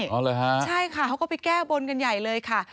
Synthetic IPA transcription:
ʔɔː˧˥˩lɤː˧jɦa˦˥t͡ɕʰa˥˩jkʰa˥˩ha˦˥wkɔː˥˩pa˧jkɛː˥˩bo˧nka˧nja˨˩jlɤː˧jkʰa˥˩

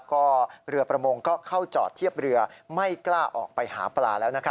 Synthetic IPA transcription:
kɔː˥˩ɾɯ˧ɐpɾa˧moː˧ŋkɔː˥˩kʰa˥˩wt͡ɕɔː˨˩t̪ʰːi˥˩əp̚ɾɯ˧ɐma˥˩jklaː˥˩ʔɔ̰ː˨˩k̚pa˧jha̰ː˩˦plaː˧lɛː˦˥wna˦˥kʰ

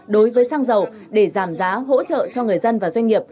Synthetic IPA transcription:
ɗo˨˦jvəː˨˦jsaː˧ŋzə˨˩w | ɗe˧˩zaː˧˩mzaː˨˦ɦo̰˧˥t͡ɕə̰ː˧˨t͡ɕɔ˧ŋɨ˨˩əjzə˧nvaː˨˩zwa˧ŋ̟ŋi˨˩əp̚

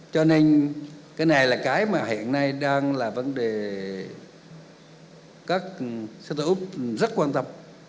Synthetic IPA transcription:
t͡ɕɔ˧ne˧nkaː˨˦jna˨˩jlaː˨˩kaː˨˦jmaː˨˩hḭ˧˨ənːa˧jɗaː˧ŋlaː˨˩və˨˦nɗe˨˩ | kaː˦˥k̚st̪ʰɨ˧˨˦zə˦˥t̚kwaː˧nt̪ə˧m

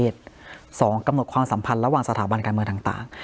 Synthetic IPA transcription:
eː˧˥˩t̪̚sɔː˩˦ŋka˧mno˨˩t̪̚kʰwaː˧msa˩˦mpʰa˧nɾa˧waː˨˩ŋsa˧t̪ʰaː˩˦ba˧nka˧nmɯː˧ŋt̪aː˨˩t̪a̰ː˨˩ŋ

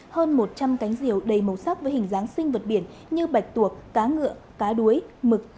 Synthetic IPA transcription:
həː˧nmo˨˩t̚t͡ɕa˧mka˨˦jŋ̟zi˧˩əwɗə˨˩jmə˨˩wsa˦˥k̚və˨˦jhï˨˩ŋ̟zaː˨˦ŋsï˧ŋ̟və˨˩t̚ɓi˧˩ən | ɲɨ˧ɓa˨˩jk̟̚t̪u˨˩ək̚ːaː˨˦ŋɨ̰˧˨əkaː˨˦ɗu˨˦əjmɨ˨˩k̚

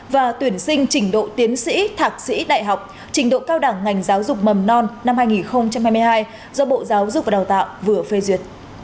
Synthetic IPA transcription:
vaː˨˩t̪wi˧˩ənsï˧ŋ̟t͡ɕï˧˩ŋ̟ɗo̰˧˨t̪i˨˦ənsḭ˧˥t̪ʰaː˨˩k̚sḭ˧˥ɗa̰ː˧˨jɦa˨˩wk͡p̚ | t͡ɕï˧˩ŋ̟ɗo̰˧˨kaː˧wɗaː˧˩ŋːa˨˩jŋ̟zaː˨˦wzʊ˨˩k͡p̚mə˨˩mnɔ˧nna˧mhaː˧jŋi˨˩nxə˧wŋ͡mt͡ɕa˧mhaː˧jmɨ˧jɦaː˧j | zɔ˧ɓo̰˧˨zaː˨˦wzʊ˨˧˩k͡p̚vaː˨˩aː˨˩wt̪a̰ː˧˨wvɨ˨˩əfe˧zwi˨˩ət̚

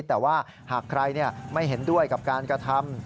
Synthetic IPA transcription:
t̪ɛː˨˩waː˥˩ | haː˨˩kʰɾa˧jni˥˩ɐma˥˩jɦe˩˦ndu˥˩əjka˨˩p̚kaː˧nkɾa˧t̪ʰa˧m

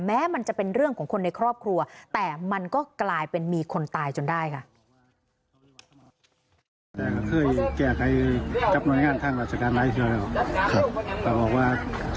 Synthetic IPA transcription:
mɛː˦˥ma˧nt͡ɕa˨˩ʔpe˧nɾɯ˥˩əŋkʰɔː˩˦ŋkʰo˧nːa˧jkʰɾɔː˥˩p̚kʰɾu˧ɐt̪ɛː˨˩ma˧nkɔː˥˩klaː˧jpe˧nmiː˧kʰo˧nt̪aː˧jt͡ɕo˧ndaː˥˩jkʰa˥˩ | t̪ɛː˨˩kʰa˥˩kʰɤː˧˥˩jkɛː˧˩k̚ʰa˨˧˩jka˧˦˥p̚nu˧˥ə˨jŋaː˧˩˨nt̪ʰa˧˥˩ŋɾaː˧˩t͡ɕʰa˧kaː˧˨nlaː˧˥˨t̪ʰɯ˧˩˨wlɛː˧˩wkʰa˧p̚kaː˧˩bɔː˨˩k̚waː˥˩

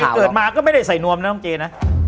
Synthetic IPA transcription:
kɤː˨˩t̚maː˧kɔː˥˩ma˥˩jda˥˩jsa˨˩jnu˧əmna˦˥t̪ɔ˥˩ŋt͡ɕeː˧na˦˥

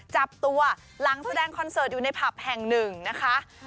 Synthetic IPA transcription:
t͡ɕa˨˩p̚t̪u˧ɐ | la˩˦ŋsa˧dɛː˧ŋkʰɔ˧nsɤː˨˩t̪̚uː˨na˧jpʰa˨˩p̚hɛ˨˩ŋnɯ˨˩ŋna˦˥kʰa˦˥ʔ

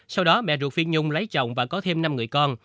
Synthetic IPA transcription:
sa˧wɗɔ˨˦ɓɛ̰˧˨zu˨˩fi˧ənɲʊ˧ŋ͡mlə˨˦jt͡ɕɔ̰˧˨wŋ͡mvaː˨˩kɔ˨˦t̪ʰe˧mna˧mŋɨ˨˩əjkɔ˧n

